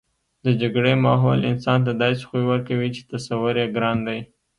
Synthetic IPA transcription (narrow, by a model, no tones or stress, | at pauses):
d̪əd͡ʒaɡɽemɑɦolɪnsɑnt̪̬ad̪ɑse̥xujwəɾkawit͡ʃe̥t̪asawʊɾjeɡɾɑnd̪aj